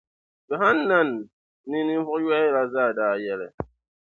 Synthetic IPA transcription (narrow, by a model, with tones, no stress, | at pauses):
bɛ˨ɦa˦nː˦a˦nː | i˦ni˦m̩˦fɔ˦jwa˦i˦la˨zaː˦˨daː˨jɛ˦lɛ̰˨